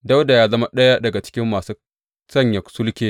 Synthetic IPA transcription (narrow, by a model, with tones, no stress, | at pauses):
da˦wda˨jaː˦zɐ˦ma˦ɗɐ˦ja˦dɐ˨ɡa˨t͡ʃɪ̥˦kʲɪ˦mːaː˨suː˦ | sɐ˦˨ɲjɐ˨sʊ˦lkʲeː˦